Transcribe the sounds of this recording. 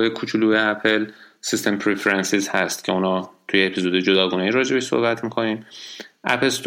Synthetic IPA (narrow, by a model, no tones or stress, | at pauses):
jekʰuːt͡ʃʰuluːeæpʰelsist̪empʰɾefeɾensizhæst̪cʰe̞unhɒːt̪ʰujeːpʰizoːd̪ed͡ʒod̪ɒːɡuːneiɾɒːd͡ʒe̞beʃso̰hbæt̪ʰmiːkʰo̞niːmʔæ̰pʰelst̪